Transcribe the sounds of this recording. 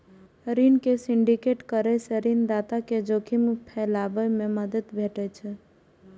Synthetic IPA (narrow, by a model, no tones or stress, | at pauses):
ɾinkesiɳɖikeʈkəɾɛseɾind̪at̪aked͡ʒokʰimpʰɛlabəmẽməd̪əd̪bʱeʈɛt͡ʃʰɛ